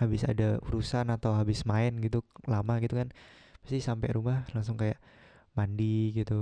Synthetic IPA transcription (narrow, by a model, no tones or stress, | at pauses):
habɪsa̰daṵɾusanat̪awɦabɪsmaɪnɡit̪ulamaɡit̪ukanmə̥st̪isampɛ̰ɾumahlaŋsʊŋkajaʔ | mandiɡit̪u